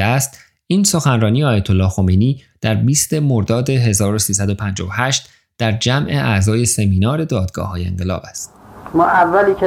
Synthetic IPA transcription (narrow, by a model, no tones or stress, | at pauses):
æst̪ | iːnso̞xænrɒːnijeɒːjæt̪ʰolːɒːxo̞mejniːd̪̥æɾbiːst̪e̞moɾd̪ɒːd̪e̞ɦe̞zɒːɾosiːsæd̪o̞pʰænd͡ʒɒ̰ːvohæʃt̪ | d̪̥æɾd͡ʒæmʔe̞ʔæzɒːje̞se̞miːnɒːɾe̞d̪ɒːd̪ɡɒ̰ːhɒːje̞ḛŋɢe̞lɒ̰ːbæst̪mɒːʔævːæliːkʰe